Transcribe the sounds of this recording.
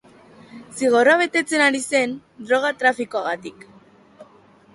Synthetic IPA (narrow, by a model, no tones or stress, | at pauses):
siɣ̞o̞roaβe̞t̪e̞t͡se̞naɾise̞n | d̪ɾo̞ɣ̞at̪ɾafikoaɣat̪ik